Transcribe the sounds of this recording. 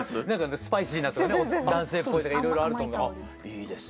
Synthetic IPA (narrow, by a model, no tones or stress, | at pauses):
nãŋkanasɨ̥paisʲiːnat̪kaneod̪ãɰ̃se̞ːpo̞it̪okakiɾo̞jɾo̞aɾɯ̟t̪omoɡ | iːd̪esɨ̥